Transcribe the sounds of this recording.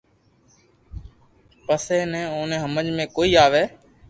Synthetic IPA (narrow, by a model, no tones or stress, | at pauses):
pəseːnɛ̃ːoːnẽːɦəməd͡ʒmẽːkoːiːaːʋeː